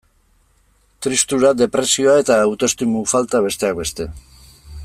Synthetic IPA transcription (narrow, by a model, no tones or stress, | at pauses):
t̪ɾist̪uɾad̪e̞pɾe̞sio̞ae̞t̪aːwt̪o̞st̪imufalt̪aβ̞e̞st̪e̞ak̚be̞st̪e̞